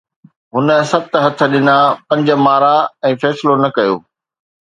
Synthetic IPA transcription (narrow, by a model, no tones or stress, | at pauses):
ɦʊnə̆sɐb̚t̪ɦɐt̪ʰə̆ɗɪnapɐ̃ɲd͡ʑə̆maːɾaɛ̃ːfɛːsɪlonɐkɐjo̰ː